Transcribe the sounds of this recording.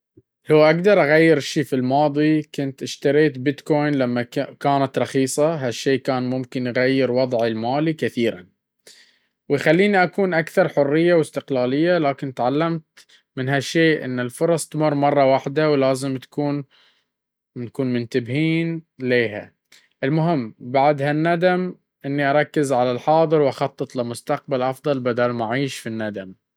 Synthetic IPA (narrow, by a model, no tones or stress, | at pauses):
lawʔaɡd̪ɑɾˤʔaɣajːɪɾʃiːfilmɑːðˤikʊnt̪ʔɪʃt̪aɾeːt̪bɪt̪koːjnlamːakaːnat̪ɾˤɑxiːsˤɑɦaʃːeːʔkaːnmʊmkɪnjɣajːɪɾwɑðˤʕilmaːlikɪθiːɾa̰n | wɪjxalːiːniʔakuːnʔakθɑɾˤħʊrːɪjːawɪst̪ɪqlaːlɪjːalaːkɪnt̪ʕalːamt̪ | mɪnɦaʃeːʔʔɪ̰nːɪlfʊɾˤɑsˤt̪mʊrˤːmɑrˤːɑwaħd̪awlaːzɪmt̪ḁkuːn | nakuːnmʊnt̪abhiːnleːɦa̰ | ʔɪlmʊɦɪmːbaʕd̪hanːad̪am | ʔɪnːiʔɑɾˤɑkːɪzʕalalħɑːd̪ˤɨɾwʔɑxɑt̪ˤːɨt̪ˤlɪmʊst̪aq̚balʔɑfd̪ˤɑlbad̪almaʕiːʃfinːad̪am